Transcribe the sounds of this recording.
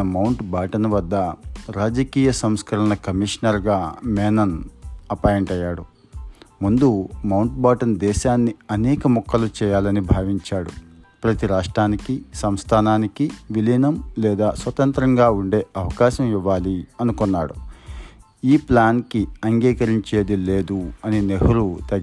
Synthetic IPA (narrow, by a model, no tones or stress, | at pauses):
ɐmɐwɳʈbaːʈɐnʋɐd̪ːɐɾaːd͡ʒɐkiːjɐsɐmskɐɾɐnɐkɐmiʂnɐɾɡaːmɛːnɐnɐpaːjɐɳʈɐjːaːɽu | mund̪umɐwɳʈbaːʈɐnd̪ɛːʃaːnːiɐnɛːkɐmɔkːɐlut͡ʃɛːjaːlɐnibʱaːʋiɲt͡ʃaːɽupɾɐt̪iɾaːʂʈɾaːnikisɐmst̪ʰaːnaːnikiʋilinɐmlɛːd̪aːsʋɐt̪ɐnt̪ɾɐŋɡaːuɳɖe̞ːɐʋɐkaːʃɐmiʋːaːliɐnukunːaːɽu | iːplaːnkiɐŋɡiːkɐɾiɲt͡ʃe̞ːd̪ile̞ːd̪uɐnineɦɐɾut̪ɐɡ